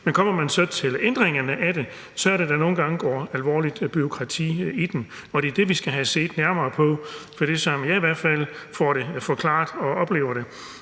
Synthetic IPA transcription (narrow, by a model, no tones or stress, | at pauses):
menkʰɒ̽m̰ɐmænsɒ̽t͡sʰe̝lend̥ʁeŋɐnəʔæɾ̥e̝ | sʰɒɐɾ̥ed̥æno̝ːn̩ɡ̥ɑ̈ŋəɡ̥ɒ̰ːælʋɒ̰ːlid̥b̥yo̝kʰʁɑ̈t͡sʰḭːid̥en | ɒ̽d̥e̝d̥e̝ʋisɡ̥æɦæse̝̰ːd̥næɐmɐːpʰɒ̽fɒ̽d̥esɒ̽mjɑ̈ɪiʋæɐ̰d̥fæl̰fɒɾe̝fɒkʰlɑ̈ːd̥ɒ̽ɒ̽b̥le̝ːʊɐɾ̥e̝